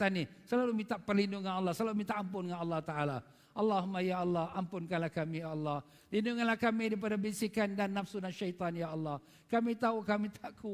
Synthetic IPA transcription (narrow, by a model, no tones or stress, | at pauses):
t̪anisəlalumĩnt̪aʔpərlindʊŋanɑlːɑhsəlalumint̪aʔampʊnŋanɑlːɑht̪aʔala | ʔɑlːɑhmajaɑlːɑhampʊnkanlahkamijaːlːɑh | linduŋanlahkamidip̬adabinsikandanːafsunanʃajt̪ɑnjaɑlːɑh | kamit̪aukamit̪aʔku